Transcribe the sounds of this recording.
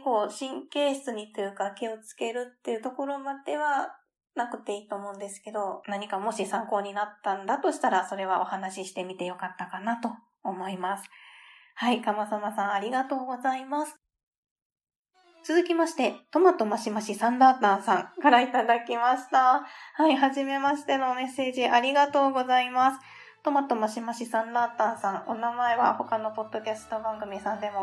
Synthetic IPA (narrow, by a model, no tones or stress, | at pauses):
ko̞ːɕĩŋke̞ːɕɨ̥t͡sɨɲ̟it̪ojɯ̟kakʲio̞t͡sɨ̥ke̞ɾɯ̟t̪ːe̞ɯ̟t̪o̞ko̞ɾo̞mad̪̥e̞βa | nakɯ̟t̪e̞iːt̪o̞ːmo̞ːɯ̃nd̪e̞sɨ̥ke̞d̪o̞naɲ̟ikamo̞ɕisãŋko̞ːɲ̟inat̪ːãnd̪at̪o̞ɕi̥t̪aɾaso̞ɾe̞β̞aʔo̞hanaɕiɕi̥t̪e̞mʲit̪e̞jo̞kat̪ːakanat̪o̞ː | mo̞imasɨ̥haikamasamasãɰ̃aɾʲiɡat̪o̞ːɡo̞zaimasɨ̥ | t͡sɨzɨkʲimaɕi̥t̪e̞t̪o̞mat̪o̞maɕimaɕisãnd̪aːt̪ãːsãŋkaɾait̪ad̪akʲimaɕi̥t̪ahaiɦaʑime̞maɕi̥t̪e̞no̞me̞se̞ːʑiʔaɾʲiɡat̪o̞ːɡo̞zaimasɨ̥ | t̪o̞mat̪o̞maɕimaɕisãnd̪aːt̪ãːsãŋo̞namae̞βa̰ho̞kano̞po̞d̪̥ːo̞kʲasɨ̥t̪o̞bãŋɡɯ̟mʲisãnd̪e̞mo